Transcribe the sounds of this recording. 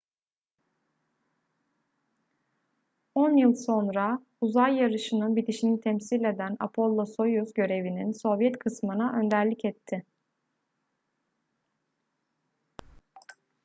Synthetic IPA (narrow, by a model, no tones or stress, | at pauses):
onjɯlˠso̞nɾa | uzajːaɾɯʃɯnɯbit̪iʃinit̪ʰɛmsilʲe̞d̪æna̰pʰo̞lˠːoso̞juzɟø̞ɾe̞vininso̞vjɛt̪kʰɯsmɯnaʔø̞nd̪æɾlʲicɛt̪ʰːɪ